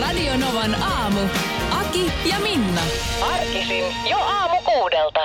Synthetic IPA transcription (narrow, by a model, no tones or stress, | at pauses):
rɑdionoʋɑnɑːmu | ʔɑki | jɑminːɑ | ɑrkisin | joɑːmukuːdelt̪ɑ